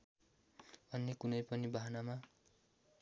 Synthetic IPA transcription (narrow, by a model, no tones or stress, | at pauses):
bʱʌnːekunʌjpʌnibaɦʌnama